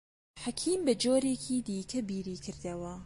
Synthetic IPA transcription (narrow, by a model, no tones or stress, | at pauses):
ħakʰiːmbɐd͡ʒoːɾeːkʰiːd̪iːkʰɐbiːɾiːkʰɨɾd̪ɐwɐ